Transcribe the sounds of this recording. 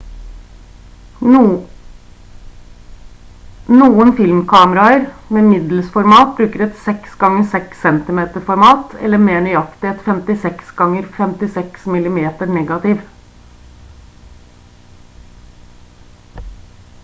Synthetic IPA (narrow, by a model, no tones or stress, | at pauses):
nuːənfɪlmkʰɑːməɾɑəɾmeːmɪd̪lsfɔɾmɑːt̪̚bɾʉːkəɾɛt̪sɛksɡɑŋːəsɛksːɛnt̪ɪmeːt̪əɾfɔɾmɑːt̪ɛ̰lːəɾmeːɳʏɑkt̪ɪɛt̪fɛmt̪ɪsɛksɡɑŋːəɾfɛmt̪ɪsɛksmɪlɪmeːt̪əɳɛɡɑt̪ɪːʋ